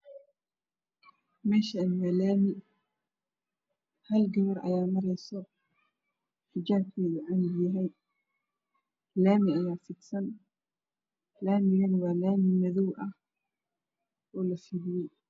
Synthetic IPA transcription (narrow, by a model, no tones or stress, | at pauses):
mɛːʃɐnwaːlaːmɪ | hɐlɡɐβɐrʔɐ̰jaːmɐɾɛjsɔ | ħɪd͡ʒaːb̚kʰiːʊʕamɪɡjɐɦɛj | laːmɪɐjaːfɪk̪sɐn | laːmɪɣɐnwɑːlaːmɪmɐðɔwʔɐh | ʔɔːlɐfilɪjɛj